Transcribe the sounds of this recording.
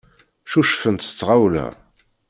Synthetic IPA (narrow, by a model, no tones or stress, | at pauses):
ʃuʃfənt̪st͡sːʁawlæ̰